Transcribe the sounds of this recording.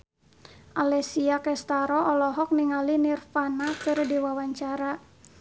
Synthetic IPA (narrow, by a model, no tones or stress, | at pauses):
ʔalɛsiakɛst̪aɾɔɔlɔɦɔk̚niŋalinirfanakɨrdiwawaɲt͡ʃaɾa